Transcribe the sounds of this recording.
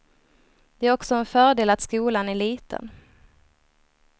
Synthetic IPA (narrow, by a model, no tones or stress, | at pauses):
d̪̥ɛæɾɔksɔɛnfœːɖeːlat̪skuːlanæɭiːt̪ʰə̰n